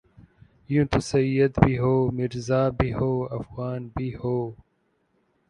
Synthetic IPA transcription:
jũt̪ʰusɐiːjɐd̪biɦoːmiɾzaːbiɦoːɐfɣaːnbʱihoː

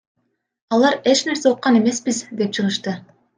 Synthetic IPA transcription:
ɑlˠɑɾe̞t͡ʃne̞ɾse̞oq̪̚qɑne̞me̞sbizd̪e̞p̚t͡ʃʰɯʁɯʃt̪ɯ

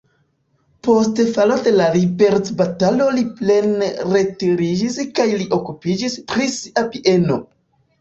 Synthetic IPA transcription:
po̞stefalode̞laɾibe̞ɾt͡sbatalo̞liple̞nɾe̞tiɾid͡ʒiskajliʔo̞kupid͡ʒispɾisiʔapiʔe̞no̞

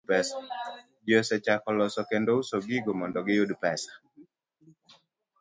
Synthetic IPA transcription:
pɛsḁ | d͡ʒosɛt͡ʃakɔlɔsɔkendousoɡiɡomɔndɔɡɪjodpɛsḁ

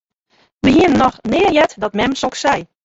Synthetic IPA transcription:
ʋəɦiənənɔxnɪːjɛtdɔtmɛmsoksɛj

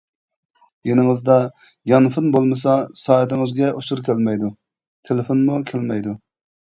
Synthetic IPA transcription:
jenɪŋɨzd̪ɑ | jɑnfɨnbolˠmɨsɑsɑːet̪ɪŋɨzɡʲɛʔuʃuɾkʲælmɛjd̪u | t̪ʰelefonmukʲʰælmɛjd̪u

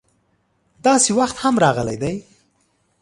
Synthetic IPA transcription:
d̪ɑsewaxt̪hamɾɑɣəla̰jd̪aj

